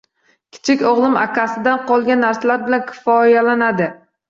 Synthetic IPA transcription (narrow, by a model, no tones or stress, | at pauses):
kʲʰɪ̥t͡ʃʰɪkʲɒʁlˠɪma̰kʲʰasɪd̪anqʰɒlˠɡʲanːaɾslaɾbɪlankʲʰɪ̥fɒjalanad̪ɪ